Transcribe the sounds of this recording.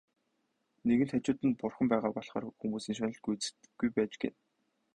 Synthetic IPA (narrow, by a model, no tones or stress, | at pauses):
neɣɘ̆nt̪ʰat͡ɕʊːt̪ɘ̆npʊrχə̆mpæːʁaːpɔɮχa̰ːrxumuːsiːŋʃ̬anə̆ɮɡujt͡sɘ̥̆t̪ɡ̥ujpæːt͡ɕɡḛn